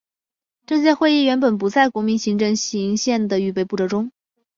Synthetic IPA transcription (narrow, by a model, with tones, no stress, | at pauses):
ʈ͡ʂɤ˥˧ɕ̬jɛ˥xwe˥˧ɪi˥˩ɥɛ˧˥npə˨˩npu˧˥t͡sa˥˩ɪkwɔ˧˥mi˧˥nɕi˧˥ŋʈ͡ʂɤ˥˧˩ŋɕi˧˥ŋɕjɛ˥˩nd̪ə˩y˥˧p̬e˥˧ɪpu˥˩ʈ͡ʂɤ˧˥ʈ͡ʂʊ˥ŋ